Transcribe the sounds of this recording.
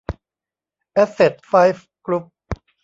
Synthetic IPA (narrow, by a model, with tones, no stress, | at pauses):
ʔɛ˦˥se˨˩t̪̚faː˦˥jf | klu˦˥p̚